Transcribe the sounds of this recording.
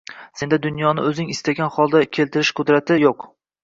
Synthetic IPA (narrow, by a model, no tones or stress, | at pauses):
se̞nd̪ad̪ʊnjɒnɪɵzɪŋɪst̪aɡʲanχɒlˠd̪akʲʰe̞lt̪ʰɪɾɪʃqʰʊd̪ɾat̪ʰɪjoq